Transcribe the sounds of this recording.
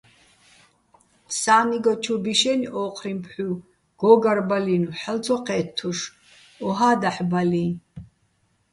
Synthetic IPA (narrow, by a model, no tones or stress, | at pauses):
psaːniɡɔt͡ʃʰubiʃɛniʔɔːqʰrimpʰħu | ɡ̥ɔːɡaɾbalinuħɛlt͡sʰɔqʼɛːt̪ʰːuʃ | ɔɦaːd̪aħbali